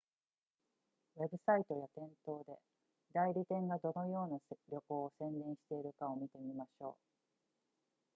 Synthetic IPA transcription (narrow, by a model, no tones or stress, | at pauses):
βe̞bɯ̟sait̪o̞jat̪ẽ̞nt̪o̞ːd̪e̞ | d̪aiɾʲit̪ẽ̞ŋɡad̪o̞no̞jo̞ːnaɾʲo̞ko̞ːsẽ̞nd̪ẽ̞ɰ̃ɕi̥t̪e̞iɾɯ̟kaomʲit̪e̞mʲimaɕo̞̰ː